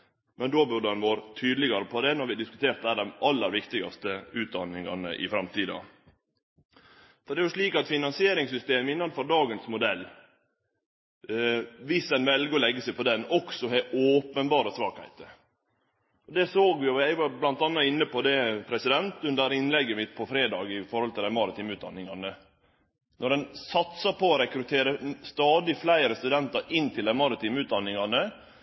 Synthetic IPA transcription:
mɛnd̪oːbʉɾdəhɑnʋoːɾət̪ʰyːd̪lɪɡɑɾəpʰɔd̪ɛnɔɾʋɪd̪ɪskʉ̥t̪ʰeːɾt̪̚æːɖ̪ɛmʔɑlːəɾʋɪkt̪ɪɡɑ̰st̪əʉːt̪̚d̪ɑnːɪŋɑ̰nə̰ʔɪ̰fɾɑmt̪ʰiːd̪ɑ̰ | fɔɾɖ̪ɛːɾʋɑʂɭiːkɑt̪fɪnɑnsɪeːɾɪŋsʏst̪eːməɪnːɑnfɔɾd̪ɑːɡənsmʊd̪ɛlː | ʋɪsɛnʋɛlɡəɔlɛɡːəsɛɪpʰɔd̪ɛnɔksɔɦɛʔoːpənbɑːɾəsʋɑːkhæ̰ɪt̪ə | ɔd̪ɛsoːɡʋɪʊæɪʋɑɾblɑnt̪ɑnːɑɪnːəpɔd̪ɛpʰɾɛsɪd̪ɛnt̪ʉnd̪əɾɪnːlɛɡːəmɪt̪ːpʰɔfɾeːd̪ɑːɡɪfɔɾhɔlt̪ɪlæɪmɑɾɪt̪ʰiːmʉːd̪ɑ̰nːɪŋɑnə | nɔɾdɛnsɑt̪sɑpʰɔɔɾɛkɾʉt̪ʰeːɾəst̪ɑːd̪ɪflæɪɾəst̪ʉd̪ɛnt̪ɑɾɪnt̪ʰɪld̪æɪmɑɾɪt̪ʰiːmʉːt̪̚d̪ɑnːɪŋɑnə

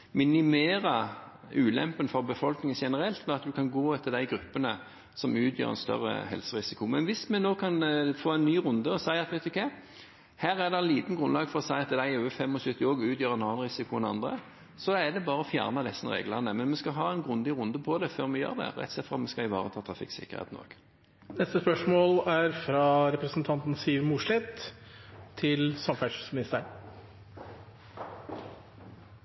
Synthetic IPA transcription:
mɪnɪmeːɾɑ | ʉːlɛ̰mpənfɔʁbəfɔlknɪŋənʃɛnəɾɛlt̪mɛɑt̪d̪ʉkʰɑnɡoːɛt̪ʰːɪd̪æɪɡɾʉpːənə | sɔmʉːt̪ʰjø̰ːʁɛ̰nst̪œ̰ʁə̰hɛ̰lsəʁɪsɪkʊmɛnʋɪsmɛnoːkʰɑnfoːæɪnnːyːʁʊnd̪əɔsæɪɑt̪ʋæɪt̪ʊkʰæɪ | hæːɾæʁd̪ɛɛnliːt̪n̩ɡɾʁʉnlɑːɡfɔʁɔsæɪɑt̪ːd̪æɪøːəfɛmːɔsʉt̪ːɪoːɡʉːt̪jøːɾɛnɑːɑnʁɪsɪkʰʊɛnɑ̰nd̪ʁə | sɔdɛd̪ɛbɑːʁəɔfjæ̰ːʁnəd̪ɛsːənʁḛːɡləʁnəmɛnmɛskɑɦɑːɛnɡʁʉnd̪ɪʁʊnd̪əpʰɔd̪ɛføːʁmɛjø̰ːʁd̪ɛ̰ʁɛ̰t̪sɛt̪fʁɑmɛskɑɪʋɑ̰ːʁət̪ʰɑːt̪ʰʁɑfɪ̰ksɪ̰kəʁhḛːt̪n̩o̰ːɡ̥ | nɛst̪əspœʂmoːlæɾfɾɑɾɛpɾəsnt̪ʰɑnt̪n̩siːʋmʊʂlɪt̪ʰ | ɪlsɑmfæʂʉsmɪnɪst̪ə

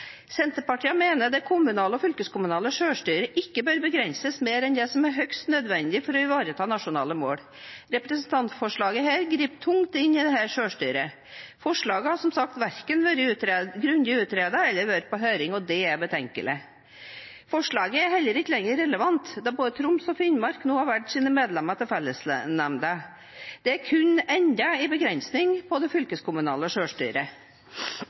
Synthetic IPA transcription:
sɛnt̪əɾpɑʈʰiːəmeːnəd̪ɛkʰʊmʉnɑːləɔfʏlkəskʰʊmʉnɑːləʂøːʂʈyːɾəʔɪkːəbøːɾbəɡɾɛnsəsmeːɾɛnd̪ɛsɔmæɾɦœkst̪nœd̪ʋɛnd̪ɪfɔɾɔɪʋɑːɾət̪ʰɑːnɑʂʊnɑ̰ːləmo̰ːɽ | ɾɛpɾəsənt̪ʰɑnt̪fɔʂɭɑːɡəɦæːɾɡɾiːpt̪ʰʊŋt̪ɪnːɪd̪ɛhæːʂøːʂʈyːɾə | fɔʂɭɑːɡəhɑsɔmsɑkt̪ʋæɾkənʋøːɾəʉɡɾʉnd̪ɪʉːt̪ɾeːd̪əɛlːəɾʋøːɾ̚pʰɔɦøːɾɪŋɔd̪ɛæɾbət̪ʰɛŋkə̰lɪ̰ | fɔʂɭɑːɡəæɾɦɛlːəɾɪkːəlɛŋːəɾɛləʋɑnt̪d̪ɑboːd̪ət̪ʰɾʊmsɔfɪnmɑɾknuːhɑɾʋæʈːsiːnəmeːd̪lɛmɑt̪ɪlfɛlːəsnɛmnd̪ə | d̪̥ɛæɾkʰʉnɛɲd̪ɑɪbəɡɾɛnsnɪŋpʰɔd̪ɛfʏlkəskʰʊmʉnɑ̰ːləʂøːʂʈy̰ːɾə

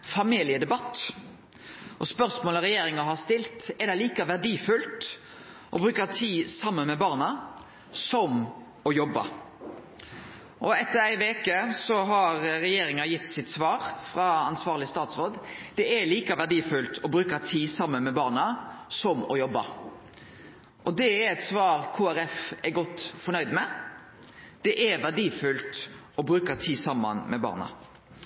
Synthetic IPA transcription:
fɑmiːlɪəd̪ɛbɑt̪ː | ʔɔspœʁsmoːləɾɛjeːɾɪŋɑɦɑʁst̪ɪlt̪ɛd̪ɛɪliːkɑʋæʁɖiːfʉlt̪ | ʔɔbɾʉːkɑt̪ʰiːsɑmːənmɛbɑːʁnɑ | sɔm | ɔjɔbːɑ̰ | ʔɔɛt̪ːəɾæɪʋeːkəsɔɦɑɾɾɛjeːɾɪŋɑjɪt̪ːsɪt̪sʋɑːɾfɾɑɑnsʋɑːʁlɪst̪ɑːt̪sɾoːd̪d̪̥ɛɛliːkɑʋæʁɖiːfʉlt̪ʰɔbɾʉːkɑt̪ʰiːsɑmːənmɛbɑːʁnɑsɔmɔjɔbːɑ | ʔɔd̪ɛæɾɛt̪sʋɑːɾkʰuːæɾɛfɛɾɡɔt̪ːfɔnœʏd̪mɛ | d̪̥ɛʔɛʋæʁɖiːfʉlt̪ | ɔbɾʉːkɑt̪ʰiːsɑmːɑ̰nmɛbɑ̰ːʁnɑ̰

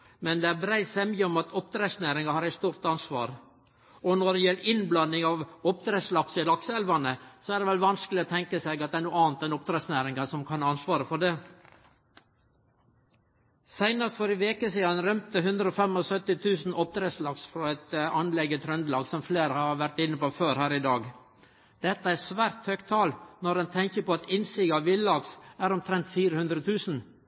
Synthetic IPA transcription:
mɛnd̪ɛæɾbɾæɪt̪sɛməɔmɑt̪ʰɔp̚d̪ɾɛsnæːɾɪŋɑhɑɾæɪt̪st̪uːɾt̪ɑnsʋɑ̰ːɾ | ɔnɔɖɛjɛlːʔɪnblɑnːɪŋɑʋɔp̚d̪ɾeːslɑksɪlɑksəɛlʋɑnəsɔæɖɛʋɛlʋɑnskəlɪɔt̪ʰɛŋkəseɡɑt̪̚d̪ɛæɾnuːɑːnt̪ɛnɔp̚t̪ɾɛsnæːɾɪŋɑsɔmkʰɑnɑnsʋɑːɾəfɔɖe | sæɪnɑst̪fɔɾɪʋeːkəsiːɑnɾœmt̪əɦʉnd̪ɾəɔfɛmɔsœt̪ɪt̪ʰʉːsn̩ʔɔp̚d̪ɾeːslɑɡsfɾɔɛt̪ɑnlɛɡət̪ʰɾœnd̪əlɑːɡsɔmfleːɾhɑʋæɾʈ̪ɪnːəpoːføːɾhæːɾɪd̪ɑːɡ | d̪̥ɛt̪ːəæsʋæːɾt̪hœkt̪ʰɑːlnɔɾɛnt̪ʰɛŋkəpɔɑt̪ɪnsɪɡɑʋɪllɑɡsæɾɔmt̪ʰɾɛnt̪fiːɾəhʉnd̪ɾət̪ʰʉːsn̩

